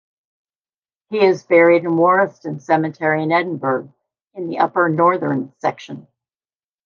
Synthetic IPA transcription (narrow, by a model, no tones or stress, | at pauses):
hiɪzvɛɹiɾɨ̃nwɔɹɨstɨ̃nsɛmɨtʰɛɹiɨ̃nɛdⁿn̩bə˞ɡ̚ | ɨ̃nðiʔʌpə˞nɔɹðə̃˞nsɛ̰kʃə̃n